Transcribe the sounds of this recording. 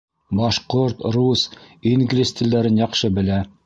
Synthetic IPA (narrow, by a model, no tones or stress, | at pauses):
bɑʃqoɾt̪ɾusiŋɡlʲisʲt̪ʲild̪æɾɘnjɑqʃɤbɘ̆læ